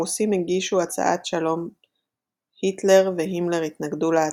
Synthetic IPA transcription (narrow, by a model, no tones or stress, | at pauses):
usimiɡiʃuat͡sa̰ʔatʃalo̞m | hitle̞ʁveɦimleʁit̪naɡdulaa